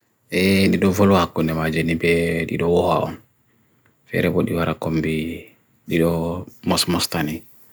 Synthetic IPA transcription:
ʔɛɗiɗɔvɔlwakːundɛmad͡ʒenibɛɗḭɗɔwɔhaʔɔ̰n | fɛ̰ɾɛbɔɗiwaɾakombi | ɗiɗɔmɔsmɔstani

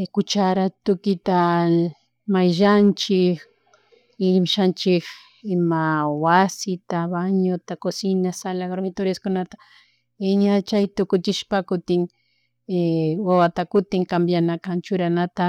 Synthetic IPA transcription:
kʊt͡ʃaɾat̪ʊkɪt̪a | majʒant͡ʃɪk | ɪmʃant͡ʃɪk | ɪmawasɪt̪abaɲot̪akosɪnasalaɡoɾmɪt̪oɾaskʊnat̪a | ɪɲat͡ʃajt̪ʊkʊt͡ʃɪʃpakʊt̪ɪŋ | ewawat̪akʊt̪ɪŋkambjanakant͡ʃʊɾanat̪a

